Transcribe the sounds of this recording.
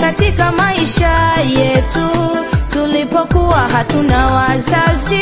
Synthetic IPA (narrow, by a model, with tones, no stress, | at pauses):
ka˨ti˦ka˧ma˦i˧ʃa˦jɛ˨tu˦tu˧le˧pɔ˦ku˦a˨ɦa˨tũ˦nã˨˦wa˧za˦zi˦